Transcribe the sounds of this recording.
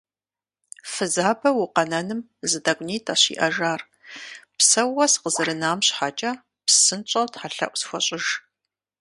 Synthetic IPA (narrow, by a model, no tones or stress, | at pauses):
fɨzaːbɐwʊqɐnɐnɨm | zɨdaɡʷʼniːtʰaɕḭːʔɐʒaːr | psɐwɐsqəzɨɾɨnaːmɕħat͡ʃʼɐ | psɨnt͡ʃʼɐwtħaɬɐ̰ʔʷsxʷɔɕʼɪʒ